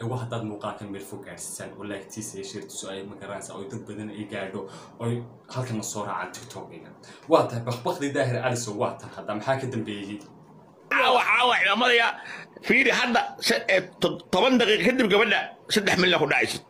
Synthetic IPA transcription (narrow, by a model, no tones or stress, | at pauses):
ɛwɐɦhɐd̪aːd̪muːqaːkʰɛnmɛːlfʊɡaːɾsɐ̥saːnwɐlaːkʰɪ̥t̪ʰiːsɛʃɛːɾt̪ʰɪ̥sʊɛjmɐɡɐɾaːnsa̰ːʔɔjd̪ɐd̪̚bɐðɐnɛjɡaːɾɖɔ | ɔj | hɐlkʰɐnlɐsɔːra̰ːʕa̰ːnt̪ʰɪkt̪ʰɔːkɛnɐ | wɑːt̪ʰɐɦɛbɐχbɐχd̪iːd̪aːɦɪɾʔɐlɪsɔwɑːt̪ʰɐnhɐd̪amɐħaːkʰɐd̪ɐmbɛːjɛj | ʕaːwɐʕaːwɐʕɪlamɐðɐjafiːɾɪɦɐd̪ɐsɐt̪ʰːɔβɐnd̪ɑqiːqɐkʰɐd̪ibɡɐβɐɖɐsɐd̪ɛħmɪlnɐkʰʊɖɑʕɪsɪ